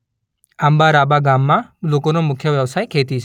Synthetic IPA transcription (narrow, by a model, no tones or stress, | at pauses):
ambaɾabaɡamːãlokonomʊkʰjəʋjəʋsaːjkʰeːt̪it͡ʃʰː